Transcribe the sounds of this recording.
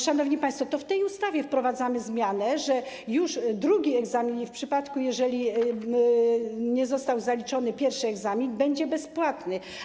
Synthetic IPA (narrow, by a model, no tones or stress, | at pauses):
ʂanɔvɲipaj̃st̪fɔt̪ɔft̪ɛjust̪avʲjɛfpɾɔvad̪zamɘzmʲjanɛʐɛ | juʂd̪ɾuɡʲiɛɡzamʲinfpʂɘpat̪kujɛʐɛlʲi | ɲɛzɔst̪awzalʲit͡ʂɔnɘpʲjɛɾfʂɘɛɡzamʲinbɛɲd͡ʑɛbɛspwat̪nɘ